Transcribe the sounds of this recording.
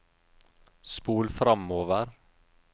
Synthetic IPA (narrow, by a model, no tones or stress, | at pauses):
spuːlfɾɑmoːʋəɾ